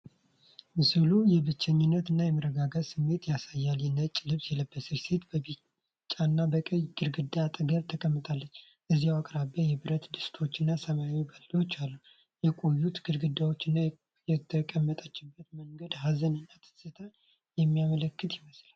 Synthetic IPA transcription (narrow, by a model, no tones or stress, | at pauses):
mɨsɨlujɛβɨt͡ʃːəɲːɪnːət̪ɨnːajɛməɾəɡaɡəsɨmːe̞t̪jasajːaljɛnːət͡ʃʼːlɨβsjɛləbːəsɨɾset̪bɨ | t͡ʃʼːanːabəkʼəjɡɨɾɡɨd̪at̪ʼɨɡəɾt̪ʰəkʼəmːɨt̪ʰʼalːəɲː | ʔɨziawakʼɾabejɛbɨɾət̪d̪ɨst̪ʰo̞t͡ʃːɪnːasəmawibəlːot͡ʃːalːə | jɛkʼo̞jːut̪ɡɨɾɡɨd̪awo̞t͡ʃːɨnːa | jɛt̪ʰəkʼəmːət̪ʼat͡ʃːɪbːət̪məŋɡəd̪ɦazənɨnːat̪ʰɨ̥sət̪ʰa | jɛmːijamələkːɨt̪jɪməslal